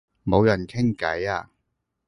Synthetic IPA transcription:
mo˨˧wjɐ˨˩nkʰɪ˥ŋkɐ̰˨˥jaː˧

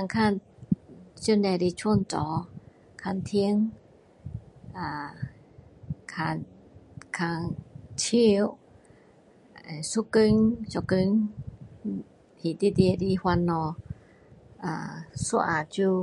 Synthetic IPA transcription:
a˧ŋkʰaː˧˨n | t͡ʃi˧˥˨nɛ˧ɾi˧t͡ʃʰu˧˥˨nt͡ɕɔː˨˦ | kʰa˧˨nt̪ʰi˧˦əŋ | a˨˩ | kʰaː˧n | kʰaː˧ŋt͡ʃʰi˧w | su˧kɯ˧˦ŋt͡ʃɔ˨kɯ˧ŋ | hi˨di˧˦di˧ə˨˧di˧hwa˧nːɔ˧ | a̰˧su˧˦ʔa̰ː˨˩t͡ʃu˧

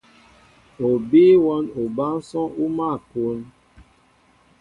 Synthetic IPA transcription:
o˨biː˦wɔ˦no˨ba˦n˦sɔ˦u˦ma˦˨ko˨˦n

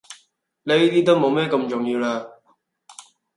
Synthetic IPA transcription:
le˨˧i˦˥t̪iː˥t̪o˥wmo˨˧wmɛː˥kɐ˧mt͡ʃʊ˨ŋjiː˧wlaː˧

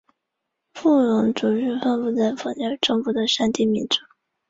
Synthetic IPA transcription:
fu˥˩ɻʊ˧˥ŋʈ͡ʂu˨˩ɻɻ̩˥˧fə˥˧nfu˥˧t͡sa˥˩ɪfɑ˥ŋa˥˩ʈ͡ʂɤ˥˧ŋfu˥˩d̪ə˩ʂa˥nt̪i˥˩mi˧˥nʈ͡ʂu˨˩˦

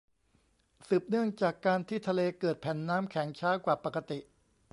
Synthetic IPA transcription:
sɯː˨˩p̚nɯ˥˩əŋt͡ɕaː˨˩kːaː˧nt̪ʰiː˥˩t̪ʰa˧leː˧kɤː˨˩t̪̚pʰɛ˨˩˦nːaː˦˥mkʰɛ˩˦ŋt͡ɕʰaː˦˥kwaː˨˩pa˨˩ka˧t̪i˨˩ʔ

